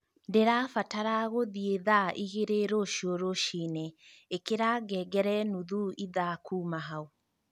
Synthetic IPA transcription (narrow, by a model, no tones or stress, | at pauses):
ndeɾaːfataɾaɣoðieðaʔiɣeɾeɾoʃioɾoʃiːneekeɾaːɡɛɡɛɾɛnuðuiðakʰuːmaɦao